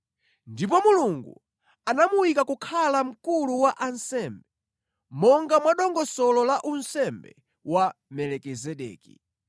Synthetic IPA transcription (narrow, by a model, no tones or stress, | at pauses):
ndip̬ɔmuluŋɡṵ | anamuwikakukʰalam̩kuluwaʔansɛmbɛ | mɔŋɡamwaɗɔŋɡɔsɔlɔlaʔunsɛmbɛ̰ | wamɛlɛkizɛɗɛ̰ːkḭ